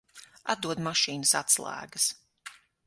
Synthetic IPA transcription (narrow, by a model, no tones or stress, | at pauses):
a̰t̪̚d̪uɔd̪maʃiːnəsa̰t̪slˠæ̰ːɡəs